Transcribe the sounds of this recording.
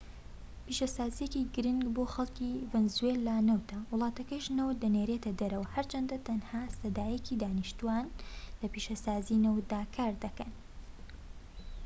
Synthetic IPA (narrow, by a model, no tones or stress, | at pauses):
piːʃɐsaːzijeciɡɨɾɨŋɡboːxɐlˠkivɛnzuelːanɐwt̪ʰɐwʊlˠɑːt̪ɐkɐʃnɐwt̪̚d̪ɐneɾet̪ɐd̪ɐɾɐwɐhɐɾt͡ʃʰɐnd̪ɐt̪ʰɐnhaːsɐd̪aːjecid̪aːnɨʃt̪uanlɐpiʃɐsaːzinɐwt̪̚d̪aːkʰaːɾd̪ɐkɐn